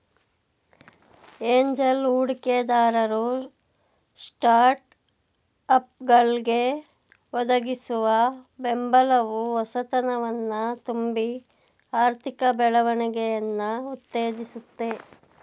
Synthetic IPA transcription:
eːɲd͡ʒɐluːɽkeːd̪aːɾɐɾu | sʈaːɾʈ | ɐp̚ɡɐɭɡe | ɔd̪ɐɡisuʋɐbembɐlɐʋuɔsɐt̪ɐnɐʋɐnːɐt̪umbi | aːɾt̪ʰikɐbɛɭɐʋɐɳɛɡɛjɐnːɐut̪ːeːd͡ʒisut̪ːe̞

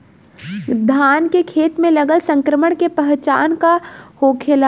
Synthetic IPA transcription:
d̪ʱaːnkekʰeːt̪mẽlɐɡəlsɐ̃ŋkɾəməɽ̃kepɐɦt͡ʃa̰ːnkahoːkʰela

